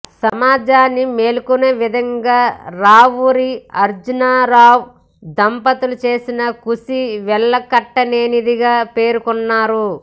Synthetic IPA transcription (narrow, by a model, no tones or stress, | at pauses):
sɐmaːd͡ʒaːnːime̞ːlukuneːʋid̪ʱɐŋɡaːɾaːʋuɾiɐɾd͡ʒunaːɾaːw | d̪ɐmpɐt̪ulut͡ʃe̞ːsinɐkusiʋɛɭːɐkɐʈːɐneːnid̪iɡaːpe̞ːɾukɔnːaːɾu